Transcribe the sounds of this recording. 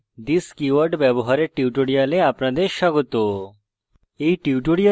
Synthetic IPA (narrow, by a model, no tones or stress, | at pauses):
d̪iskiʋəɾɖʋjɛbɔɦaɾeʈiʋʈoɽijaleapɳ̃ãd̪eʃaɡot̪o | eiʈiʋʈoɽija